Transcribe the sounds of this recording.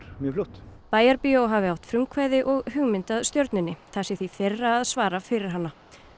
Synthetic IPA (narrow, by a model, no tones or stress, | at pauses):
mjœfluwt̪paːjaɾpiowɦavɪawht̪fɾʏŋkʰvaːjðɪʔɔɣɦʏɣmɪnt̪aðst̪jowɾt̪nɪnːɪθɛsɪθiθerːaːðsvaːɾafɪɾɪɾ̥ɦanːa